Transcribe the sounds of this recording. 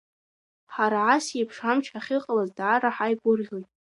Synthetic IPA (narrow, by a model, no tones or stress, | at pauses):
ħaɾaʕasepʰʂamt͡ʃʰħaχʲɨqʼalazdʕaɾaħajɡʷʊrʒʲojtʼ